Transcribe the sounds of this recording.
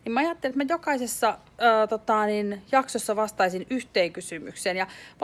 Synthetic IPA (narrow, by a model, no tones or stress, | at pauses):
nimɑjɑt̪ːelet̪mæjokɑisesːɑː | t̪ot̪ɑˑninjɑksosːɑʋɑst̪ɑisinyht̪eːŋkysymy̰kseːnjɑʋ